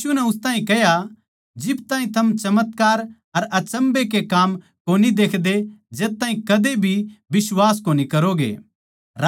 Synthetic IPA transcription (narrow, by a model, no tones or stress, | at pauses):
unɛʊst̪ãːɦĩkɛɦja | d͡ʒɪbt̪ãːɦĩt̪ʰɐmt͡ʃɐmət̪kaːɾ | ɐɾɐt͡ʃɐ̃mbek̬ekaːm | koːnid̪eːkʰd̪ed͡ʒeːt̪ːãːɦĩkɐd̪ebʱibɪswaːs̬koːnikɐɾoɡḛː | ɾ